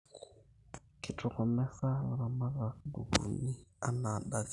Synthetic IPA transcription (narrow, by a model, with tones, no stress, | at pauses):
kʰi˨tʰɔ˨kɔ˨mɛ˦sa˦˨ɾa˨ma˦ɣa˨ɡu˨βṵ˨ni˦a˦na˨ɗa˦